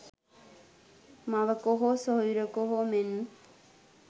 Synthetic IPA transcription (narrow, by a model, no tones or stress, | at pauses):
maʋəkoɦosoiɾəkoɦomenːu